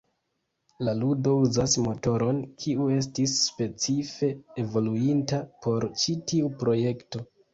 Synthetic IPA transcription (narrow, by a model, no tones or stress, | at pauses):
laludo̞uzasmo̞to̞ɾo̞nkʰiue̞s̬tisːpe̞t͡sife̞evo̞luintapo̞ɾt͡ʃitiupɾo̞je̞kto̞